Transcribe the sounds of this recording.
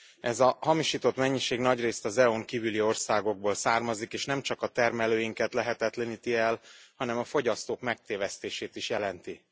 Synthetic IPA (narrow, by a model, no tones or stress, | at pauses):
ɛzɒhɒmiʃiːt̪o̞t̪mɛɲːiʃeːɡnɒɟreːst̪ɒzɛoŋkiːvylio̞rsaːɡo̞ɡ̚boːlsaːrmɒzikeːʃnɛmt͡ʃɒkɒt̪ɛrmɛløːjiŋkɛt̪lɛɦɛt̪ɛt̪lɛniːt̪iɛlhɒnɛmɒfo̞ɟɒst̪oːkmɛk̚t̪eːvɛst̪eːʃeːt̪iʃjɛlɛnt̪i